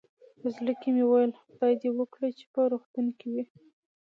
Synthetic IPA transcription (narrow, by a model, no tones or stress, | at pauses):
əzləkimewajl | t̪ɑjd̪ewəkɽət͡ʃe̥pəɾuxt̪unkiwi